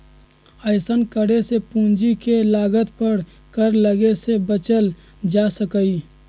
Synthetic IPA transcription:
əɪsənkəɽesepũnd͡ʒikelaːɡət̪pəɾ | kəɾləɡesebət͡ʃəl | d͡ʒasəkəi

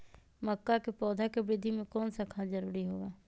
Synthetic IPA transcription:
məkːakepɔːd̪ʱakebɾɪd̪ʱimẽkɔːnsakʰad͡ʒəɾuːɾiɦoːaː

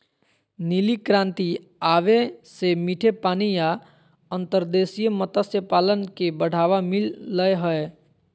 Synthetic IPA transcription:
nilikɾãːnt̪i | aːʋesemiʈʰepaːnija | ə̃nt̪əɾd̪eːsijmət̪asjəpaːlənkebəɽ̤ʱaːʋamɪlːəɦəe

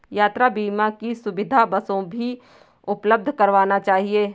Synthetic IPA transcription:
jaːt̪ɾabiːmakisʊʋɪd̪ʱabɐsõbʱi | ʊpləb̚d̪ʱkɐɾʋaːnat͡ʃaːɦieː

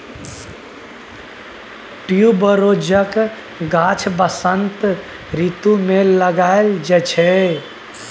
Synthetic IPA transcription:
ʈijubəɾod͡ʒək | ɡat͡ʃʰbəsənt̪ | ɾit̪umeləɡaeld͡ʒɛt͡ʃʰɛ

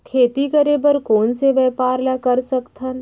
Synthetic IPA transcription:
kʰeːt̪ikɐɾeːbəɾkoːnseʋɛːpaːɾlakɐɾsɐkt̪ʰən

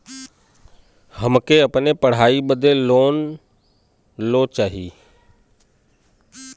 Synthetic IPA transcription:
həmkeəpnepəɽ̤aːibəd̪ʱeloːn | lot͡ʃaːɦiː

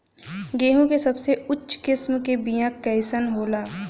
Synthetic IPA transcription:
ɡeːɦũkesɐbseʊtːʃʰkɪsmkebijãkɛːɪsənɦoːlaː

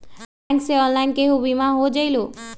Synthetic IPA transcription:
anseɔnlaɪnkeɦubimãɦod͡ʒəjlo

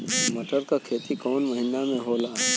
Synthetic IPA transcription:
mɐʈʰəɾkakʰeːt̪ikɔːnmɐɦɪnamẽɦoːlaːɦɛ

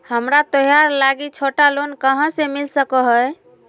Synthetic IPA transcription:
həmɾat̪əɦjaɾlaɡit͡ʃʰoʈalonkəɦə̃semilsəkəɦəj

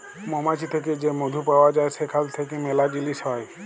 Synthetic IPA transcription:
mɔmat͡ʃʰit̪ʰek̬ed͡ʒemod̪ʱupawad͡ʒajsekʰalt̪ʰekemɛlad͡ʒilisɔj

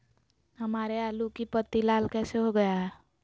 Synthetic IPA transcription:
ɦəmaɾealukipət̪ːilalkɛseɦoɡəjaɦɛ

